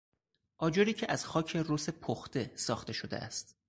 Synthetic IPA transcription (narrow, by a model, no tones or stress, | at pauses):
ʔɒːd͡ʒoɾiːcʰeʔæz̥xɒːcʰe̞roːse̞pʰoxt̪e̞sɒːxt̪e̞ʃod̪e̞̰ʔæ̰st̪